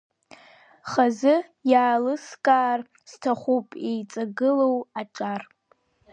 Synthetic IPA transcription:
χazɨ | jaːlɨskʼaːr | stʰaχʷupʼejt͡sʼaɡɨlowaʈ͡ʂʼar

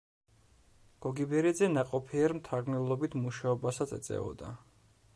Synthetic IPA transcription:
ɡ̥ɔɡibɛɾid̪zɛnaqʼɔpʰiɛɾmt̪ʰaɾɡnɛlˠɔbit̪ʰmuʃaɔbasat̪sʰɛ̰t̪sʼɛ̰ɔ̰d̪a̰

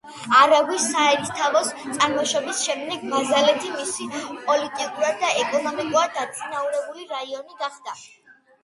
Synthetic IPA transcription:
aɾaɡwisaɛɾist̪ʰavɔst̪sʼaɾmɔʃɔbisʃɛmd̪ɛɡmazalɛt̪ʰimisipʼɔlit̪ʼikʼuɾad̪̚d̪ːaɛkʼɔnɔmikʼuɾad̪̚ːat̪sʼinauɾɛbuliɾaiɔniɡaχd̪̥a

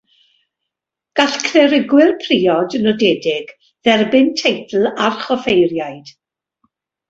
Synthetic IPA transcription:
ɡ̥aɬkʰrɛɾɪɡwɪrpʰriːɔdnɔdɛdɪɡ | ðɛrbɪntʰejtʰl̩ˠarχɔfejrjajd̥

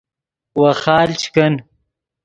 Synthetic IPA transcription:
wɐxaːlt͡ʃʰkɐn

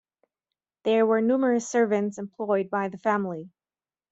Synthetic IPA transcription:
ðə˞wə˞numə˞ɨsɜ˞vɨ̃ntsɨ̃mpʰl̥ɔɪd̚baɪðɨfæ̃mlˠi

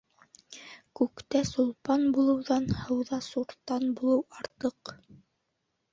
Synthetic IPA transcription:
kʉkt̪æsulˠpɑnbulˠɤ̆wðɑnhɤ̆wðɑsuɾt̪ːɑnbulˠɤwɑɾt̪ɤq

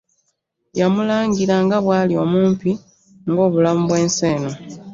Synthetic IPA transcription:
jamulaːŋɡiɾaŋɡaβwaːlio̞muːmpi | ŋɡo̞ːβulamuβwe̞ːnseːno

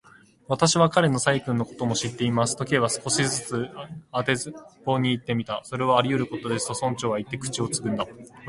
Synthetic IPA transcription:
βat̪aɕiβakaɾe̞no̞saikɯ̟̃nːo̞ko̞̥t̪o̞mo̞ɕit̪ːe̞imasɨ̥t̪o̞keβasɨ̥ko̞ɕizɨt͡sɨat̪e̞zɨpo̞ːɲ̟iːt̪ːe̞mʲit̪aso̞ɾe̞βaːɾʲiɯ̟ɾɯ̟ko̞t̪o̞d̪e̞sɨ̥t̪o̞sõ̞ɲ̟t͡ɕo̞ːβait̪ːe̞kɯ̟̥t͡ɕio̞t͡sɨ̥kɯ̟̃nd̪a

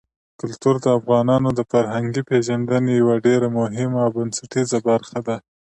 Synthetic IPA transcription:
kʊlt̪uɾd̪əafɣɑnɑnod̪əfaɾɦaŋɡipeʒand̪ənejawaɖeɾamʊɦɪmaːwbansaʈizabaɾxad̪a

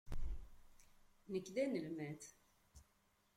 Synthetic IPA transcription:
nəkːd̪ænəlmæθ

